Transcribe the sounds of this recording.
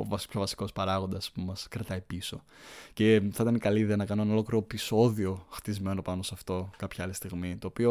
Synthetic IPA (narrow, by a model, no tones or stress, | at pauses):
o̰vɐspço̞vɐsi̥ko̞spɐɾɐɣo̞nd̪ɐspumɐskɾɐt̪ɐipiso̞ | ce̞θɐit̪ɐnikɐliiðeɐnɐkɐnoenolo̞klɾiɾo̞piso̞ðio̞xt̪izme̞no̞pɐno̞sɐft̪o̞kɐpçɐɐlist̪iɣmit̪o̞ːpio̞